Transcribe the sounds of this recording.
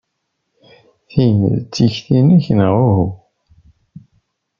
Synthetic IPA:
θinə̰ðt͡sːiçθinæçənʁʊhu

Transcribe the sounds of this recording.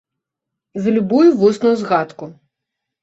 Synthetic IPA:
zɐlʲubujuvɔsnujuzɣat̪ku

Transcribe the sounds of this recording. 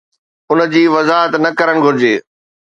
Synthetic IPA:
ʊnə̆d͡ʑiːʋɐzaːɦət̪nɐkɐɾəɽ̃ɡʱʊɾɪd͡ʑeː

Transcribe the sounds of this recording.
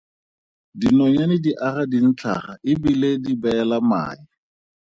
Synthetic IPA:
dinɔɲanɪdiʔaχadin̩t͡ɬʰa̰χaɪbiledibɛlama̰ːɪ

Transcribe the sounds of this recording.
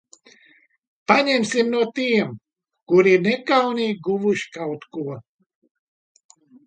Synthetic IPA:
paɲɛmʲsimnuɔt̪iɛm | kuɾiiɾnɛkawniɡuvuʃi̥kawt̪kuɔ

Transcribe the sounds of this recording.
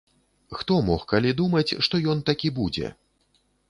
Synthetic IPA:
xt̪ɔmɔxkalʲid̪umɐt͡sʲʂt̪ɔjɔnt̪akʲibud͡zʲɛ̰

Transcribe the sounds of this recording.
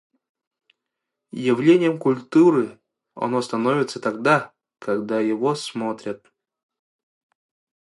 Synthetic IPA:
jɪvlʲenʲɪjəmkulʲt̪uɾɨ | ɐ̰nost̪ɐnovʲɪt̪sət̪aɡd̪a | kaɡd̪ajɪvosmot̪ɾʲət̪̚

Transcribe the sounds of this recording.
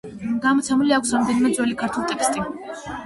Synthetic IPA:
ɡamɔt̪sʰɛmuliakʰʷsɾamd̪ɛnimɛd̪zɔlikʰaɾt̪ʰulˠt̪ʼɛkst̪ʼi

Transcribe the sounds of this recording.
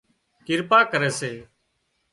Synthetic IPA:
kɪɾpaːkəɾɛːseː

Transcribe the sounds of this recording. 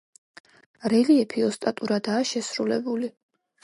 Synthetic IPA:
ɾɛliɛpʰiɔst̪ʼat̪ʼuɾad̪aːʃɛsɾulɛbuli

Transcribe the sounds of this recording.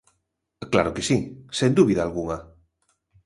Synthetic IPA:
kla̰ɾokesisend̪uβiðaːlɣuŋa

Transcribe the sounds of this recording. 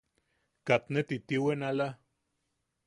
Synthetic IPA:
kat̪net̪it̪iwenala

